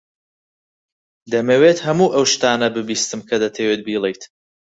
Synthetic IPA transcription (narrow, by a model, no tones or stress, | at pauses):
d̪ɐmewet̪hɐmuːʔɐwʃt̪aːnɐbɨbiːst̪ɨmkʰɐd̪ɐt̪ʰeweːt̪̚biːlˠejt̪